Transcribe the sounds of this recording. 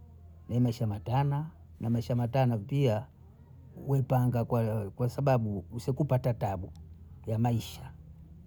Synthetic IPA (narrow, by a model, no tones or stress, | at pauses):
naɛmaiʃamatana | namaiʃamatanapia | wɛpaŋɡakwakwasaɓaɓuusikupatataɓujamaiʃḁ